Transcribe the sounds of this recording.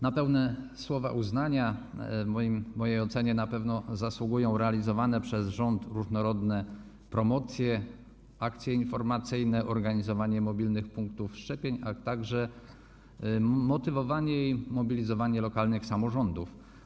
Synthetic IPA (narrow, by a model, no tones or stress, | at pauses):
napɛwnɛswɔvaʔuznaɲa | mɔimːɔjejɔt̪sɛɲɛnapɛvnɔzaswuɡujɔ̃w̃ɾɛalʲizɔvanɛpʂɛzʐɔnt̪ɾuʐnɔɾɔd̪nɛ | pɾɔmɔt̪sʲjɛ | akt̪sʲjɛinfɔɾmat̪sɘjnɛʔɔɾɡaɲizɔvaɲɛmɔbʲilnɘxpuŋk̚t̪ufʂt͡ʂɛpʲjeɲat̪aɡʐɛ | mɔt̪ɘvɔvaɲɛjimɔbʲilʲizɔvaɲɛlɔkalnɘxsamɔʐɔnd̪uf